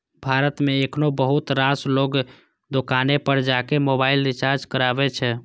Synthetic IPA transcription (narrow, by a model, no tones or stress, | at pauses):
bʱaɾət̪meːkʰnobəɦut̪ɾasloɡ | d̪okanepəɾd͡ʒakemobailɾit͡ʃaɾd͡ʒkəɾabɛt͡ʃʰɛ